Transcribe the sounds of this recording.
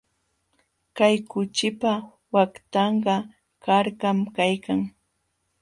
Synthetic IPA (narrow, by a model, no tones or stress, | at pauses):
kajkʊt͡ʃɪpa | wakt̪ɑɴɢɑ | kaɾkamkajkaŋ